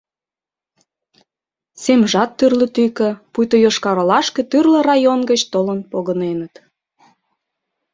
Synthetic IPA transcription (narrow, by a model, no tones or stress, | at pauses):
semʒɑt̪ːyrlət̪yjkə̆pujt̪ojoʃkɑɾəlɑʃket̪yrlə̆rɑjonɡət͡ɕt̪olənpoɣənenət̪